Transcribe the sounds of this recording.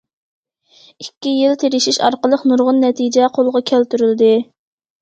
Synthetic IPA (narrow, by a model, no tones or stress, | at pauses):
ikʲːijilt̪ʰeɾɪʃiʃɑɾqəlˠəqnuɾʁʊnːɛt̪ʰid͡ʒɛqʰolˠʁɑkʲʰælt̪yɾyld̪ɪ